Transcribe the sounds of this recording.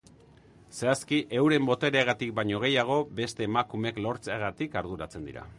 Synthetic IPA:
seaskiʔe̞wɾe̞mbo̞t̪e̞ɾeeɣ̞at̪ik̚baɲo̞ɣ̞e̞jaɣ̞o̞be̞st̪e̞ːmakume̞klo̞ɾt͡seɣat̪ikaɾð̞uɾat͡se̞nd̪ḭɾa̰

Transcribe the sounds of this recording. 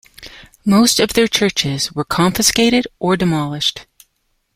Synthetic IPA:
moʊstʌvðə˞t͡ʃʰɜ˞t͡ʃɪzwə˞kʰɑ̃ɱfɨskeɪɾɪɾʔə˞dɨmɑlˠɪʃt

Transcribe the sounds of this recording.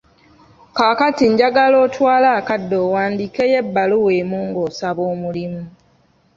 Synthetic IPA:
kaːkatiɲɟaɡalo̞ːtwaːlaːkadːo̞ːwaːndiːkejebːaluwe̞ːmuːŋɡoːsaβoːmulimu

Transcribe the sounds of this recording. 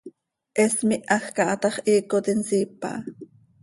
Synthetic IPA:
ʔɛsmiʔɑxkɑʔɑt̪ɑχʔiːkot̪insiːpa̰ʔ

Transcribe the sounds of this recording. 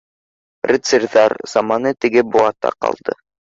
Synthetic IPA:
rʲɪt̪sɘɾðɑɾz̥ɑmɑnɤt̪ɘ̆ɡɘbuɑt̪ɑ̰qɑ̰lˠd̪ɤ

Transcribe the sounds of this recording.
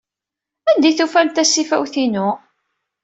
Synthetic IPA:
ænd̪iθufælt̪æsːifæwθinʊ

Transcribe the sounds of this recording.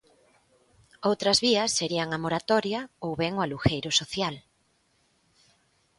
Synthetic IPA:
owt̪ɾɐzβiɐsːeɾiɐŋamoɾat̪ɔɾjɐowβɛŋʊaluxejɾʊsoθjal

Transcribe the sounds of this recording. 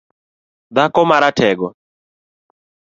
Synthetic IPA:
d̪akɔmaɾatʰɛɡɔ

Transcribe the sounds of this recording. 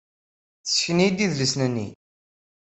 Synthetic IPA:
θə̥sçənid̪iðləsnənːḭ

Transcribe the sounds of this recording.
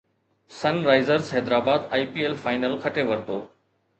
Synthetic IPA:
sɐnɾaːɪzəɾsɦɛːd̪ɾaːbaːd̪aːipiːelfaːɪnəlkʰɐʈʰeʋɐɾt̪oː

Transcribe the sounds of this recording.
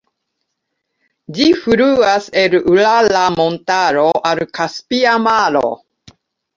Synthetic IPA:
d͡ʒifuɾuaselulalamontaɾoʔalkaspiamalo̰

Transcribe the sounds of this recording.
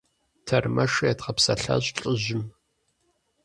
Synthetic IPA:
tʰɐrmɐʂjɛtχɐpsɐɬɐ̰ɕʼɬʼɨʑɪm

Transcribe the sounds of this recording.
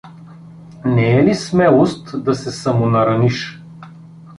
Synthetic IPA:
nɛɛlismɛlˠost̪d̪ɐsɛsɐmonɐɾɐniʃ

